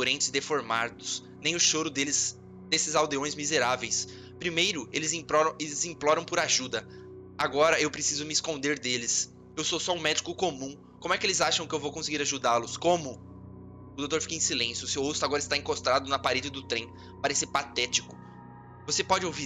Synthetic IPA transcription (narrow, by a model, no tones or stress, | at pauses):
oɾẽnt͡ʃ̪ɪzd̪efoɾmaɾd̪ʊs | nẽj̃ʊʃoɾʊd̪elɪz | d̪esɪzawd̪eõj̃zmizeɾavejs | pɾimejɾʊelɪzĩplɔɾɐ̃elɪzĩplɔɾɐ̃w̃pʊɾaʒud̪ɐ | aɡɔɾɐewpɾesizʊmɪskõnd̪eɾd̪elɪs | ewsosɔũmɛd͡ʒikʊkomũ | kõmʊɛkɪelɪzaʃɐ̃w̃kɪewvowkõsɪɡiɾaʒud̪alʊskõmʊ | ʊd̪owt̪oɾfi̥kɐẽsilẽsjʊsewost̪ʊaɡɔɾɐɪs̬t̪aĩkost̪ɾad̪ʊnɐpaɾed͡ʒɪd̪ʊt̪ɾẽ | paɾɛsɪpat̪ɛt͡ʃikʊ̥ | vosepɔd͡ʒɪowvi